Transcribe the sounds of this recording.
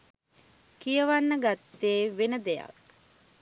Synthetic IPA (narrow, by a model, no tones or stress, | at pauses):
kijəʋanːəɡat̪ːeːʋenəd̪eja̰k̚